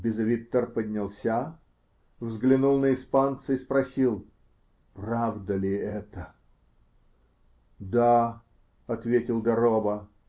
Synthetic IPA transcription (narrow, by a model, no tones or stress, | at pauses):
bʲɪzɐvʲit̪ːərpədʲnʲɪlˠsʲa | vzɡlʲɪnulˠnəɪspant̪səispɾɐsʲilˠ | pravd̪əlʲɪɛt̪ə | d̪a | ɐt̪vʲetʲɪlˠɡ̪ɐɾobə